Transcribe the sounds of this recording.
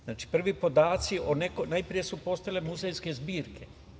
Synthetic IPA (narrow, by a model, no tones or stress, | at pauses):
zaːt͡ʃi̥pr̩ʋipo̞d̪aːt̪sionekonajpɾije̞supo̞st̪ajlemuzejske̞zbiːɾkʰe̞